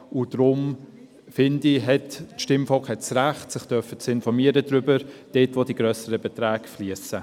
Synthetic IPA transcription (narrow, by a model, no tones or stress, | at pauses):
ʊd̥ɾʊm | fɪndiɦɛtːʃtɪmfɔlkχhɛtsɾæχtsɪχtœfət͡sɪnfɔɾmiəɾədɾʏbəɾd̥etʋodiɡɾœsəɾəbɛtɾæːɡfliəsə